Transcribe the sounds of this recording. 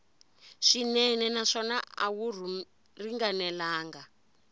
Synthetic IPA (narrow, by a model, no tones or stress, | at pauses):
ʂinɛnɛnaʂɔnaa̰wuru | riŋɡanɛlaːŋɡa